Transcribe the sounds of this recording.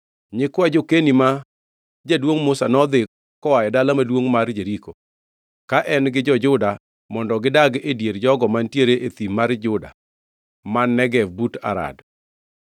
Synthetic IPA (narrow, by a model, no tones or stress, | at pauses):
ɲɪkwad͡ʒokenima | d͡ʒadwoŋmʊsanɔd̪ɪ | kːɔwajɛdalamadwoŋmard͡ʒeɾiko | kaʔɛnɡɪd͡ʒɔd͡ʒʊda | mɔndɔɡɪdaɡedjeɾd͡ʒɔɡɔmantjeɾeʔet̪imaɾd͡ʒʊda̰ | manːɛɡɛvbuta̰ɾa̰d